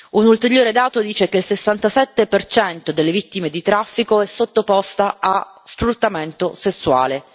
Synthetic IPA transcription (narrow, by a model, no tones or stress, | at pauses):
unult̪eɾjoːɾed̪aːt̪od̪iːt͡ʃekeilsesːant̪asɛt̪ːepert͡ʃɛnt̪od̪elːevit̪ːimed̪it̪ɾafːikoɛsːot̪ːopɔst̪aa | sfɾut̪ːament̪osesːua̰ːle